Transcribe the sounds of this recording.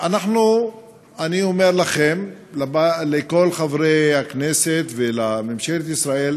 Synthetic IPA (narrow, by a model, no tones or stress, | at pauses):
anaχnu | aniome̞ʁlaχem | labaleko̞lχavʁejhakneset̪velamemʃelet̪isʁae̞l